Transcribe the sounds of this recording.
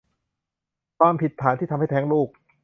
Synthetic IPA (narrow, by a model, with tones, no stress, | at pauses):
kʰwaː˧mpʰi˨˩t̪ʰːaː˩˦t̪ʰiː˥˩a˧mha˥˩jt̪ʰɛː˦˥ŋluː˥˩k̚